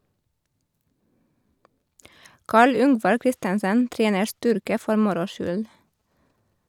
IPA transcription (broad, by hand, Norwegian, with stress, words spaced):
ˈkɑːɭ ˈʏŋʋɑɾ ˈkɾɪstənsən ˈtɾeːnəɾ ˈstʏɾkə ˈfɔɾ ˈmʊɾʊ ˈʃʏl